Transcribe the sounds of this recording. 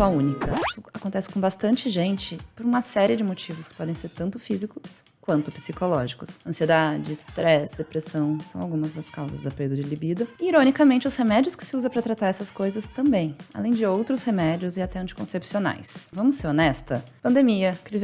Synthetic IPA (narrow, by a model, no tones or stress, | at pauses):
saũnikɐisʊakõnt̪ɛsɪkõbast̪ɐ̃nt͡ʃɪʒẽnt͡ʃɪpoɾũmɐsɛɾiɪd͡ʒɪmot͡ʃivʊskɪ̥pɔd̪ẽj̃seɾt̪ɐ̃nt̪ʊfizikʊs | kwɐ̃nt̪ʊpi̥sikolɔʒikʊsɐ̃sied̪ad͡ʒɪst̪ɾɛsd̪epɾesɐ̃w̃sɐ̃w̃awɡũmɐzd̪ɐskawzɐ̰zd̪ɐpeid̪ʊd͡ʒɪlibid̪ɐiɾonikɐmẽnt͡ʃɪʊshemɛd͡ʒiʊskɪ̥sɪuzɐ̃pɾɐt̪ɾat̪aɾɛsɐskojzɐst̪ɐ̃mbẽj̃a̰lẽj̃d͡ʒɪowt̪ɾʊshemɛd͡ʒiʊzɪat̪ɛɐ̃t͡ʃɪ̥kõ̰sepsiona̰jsvɐ̃mʊsːeɾonɛst̪ɐpɐ̃nd̪emiɐkɾiz